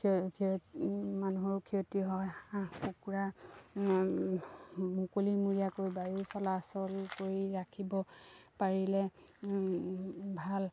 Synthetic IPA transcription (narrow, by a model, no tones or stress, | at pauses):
kʰiomanuɦɔɹkʰiotiɦɔjxukuɹa | mukolimuɹijakoɹibajusɔlasɔlkoɹiɹakʰibɔpaɹilɛ | bʱal